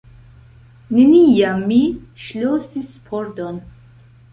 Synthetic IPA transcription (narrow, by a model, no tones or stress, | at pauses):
ninijamːiʃlosispʰɔɾd̪ɔn